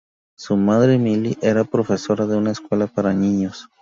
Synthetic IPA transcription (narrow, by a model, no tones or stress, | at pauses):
sumaðɾemiliʔe̞ɾapɾo̞fe̞so̞ɾaðeunaeskwe̞lapaɾaniɲos